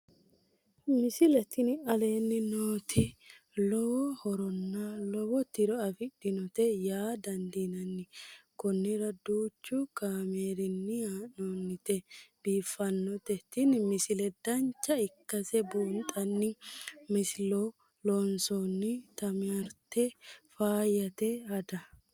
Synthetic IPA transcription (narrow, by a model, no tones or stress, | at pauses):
mɪsɪlɛt̪ɪnɐle̞ːnːɪnoːt̪ʰɪ | lɔwɔhɔɾɔnːɐlɔwɔt̪ɪɾɔɐfɪɗɪnɔt̪ɛjaːd̪ɐnd̪inɐnːɪkɔnːɪɾɐd̪uːt͡ʃːʊkaːme̞ːɾɪnːɪanoːnːɪt̪ɛb̥iːfːɐnːɔt̪ɛt̪ːɪnmɪsɪlɛd̪ɐnt͡ʃːɐɪkːɐsɛbuːnt̪ʼɐnːɪmɪsɪlo | lɔnsɔnːɪt̪ɐmɪɐɾt̪ːɛfaːjɐt̪ɛɐd̪ɐ